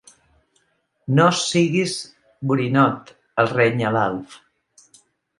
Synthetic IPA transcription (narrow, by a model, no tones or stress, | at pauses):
nosiɣiz | buɾinɔt̪ | əlˠreɲəlalˠf